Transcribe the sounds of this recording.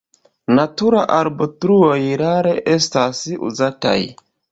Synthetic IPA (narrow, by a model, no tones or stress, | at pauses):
natuɾaʔaɾbotɾuo̞jɾaɾe̞ʔe̞stasṵzata̰j